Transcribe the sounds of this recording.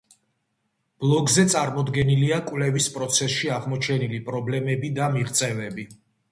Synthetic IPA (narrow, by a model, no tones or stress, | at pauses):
b̥lˠɔɡzɛt̪sʼaɾmɔd̪ɡɛniliakʼwlɛvispʼɾɔt̪sʰɛsʃiaʁmɔt͡ʃʰɛnilipʼɾɔblɛmɛbid̪amiʁt̪sʼɛvɛbi